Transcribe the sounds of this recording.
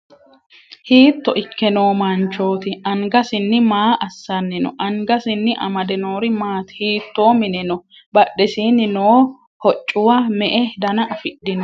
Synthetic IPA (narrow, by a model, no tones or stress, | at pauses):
hiːt̪ːɔʔɪkːɛno̞ːmɐnt͡ʃo̞ːt̪ɪʔɐŋɡɐsɪnːɪmaːʔɐsːɐnːɪnɔ̰ʔɐŋɡɐsɪnːɪʔɐmɐd̪ɛno̞ːɾɪmaːt̪hiːt̪ːoːmɪnɛnɔ | bɐɗːɛsiːnːɪnoː | hɔt͡ʃʼːʊwɐmɛʔɛd̪ɐnɐɐfɪɗːɪnɔ